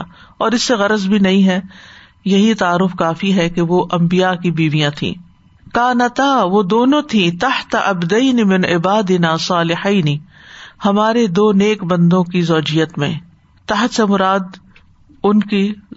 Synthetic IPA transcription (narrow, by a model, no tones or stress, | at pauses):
ɔːɾɪsːeɣɐɾəzbʱinɐɦĩɦɛ | jɐɦit̪ɐaːɾːʊfkaːfiɦɛkeʋoʔɐ̃mbijakibiːʋijãt̪ʰḭ̃ː | kaːnɐt̪aʋod̪oːnõt̪ʰĩt̪ɐht̪ʔɐbd̪ɐɪnimɪ̃nɪbaːd̪ɪnaːsɑːlɪħaːni | hɐmaːɾed̪oːneːkbɐ̃nd̪õkizɔːd͡ʒijət̪mḛ̃ | t̪ɐɦt̪semʊɾaːd̪ | ʊnki